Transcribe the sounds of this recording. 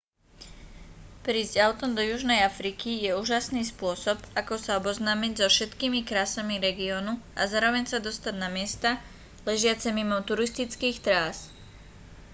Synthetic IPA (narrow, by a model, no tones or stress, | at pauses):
pɾiːzɟaʊt̪ɔmd̪ɔjuʒnɛjafɾikijɛuːʒasniːspʊɔsɔpakɔsaɔbɔznaːmiɟzɔfʃɛt̪kiːmikɾaːsamiɾɛɡiɔnuazaːɾɔʋɛɲsad̪ɔst̪aɟnamɪɛst̪a | lɛʒɪat͡sɛmimɔʊt̪uɾist̪it͡skiːxt̪ɾaːs